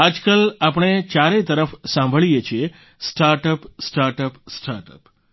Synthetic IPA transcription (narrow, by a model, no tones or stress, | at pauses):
ad͡ʒkalap̬əɳ̃et͡ʃaɾet̪əɾəfsãmbʱəɭijet͡ʃʰie | sʈaɾʈəpsʈaɾʈəpsʈaɾʈə̰p